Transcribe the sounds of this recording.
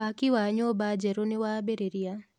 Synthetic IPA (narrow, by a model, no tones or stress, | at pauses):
akɪwaɲobad͡ʒɛɾonɪwabeɾeɾija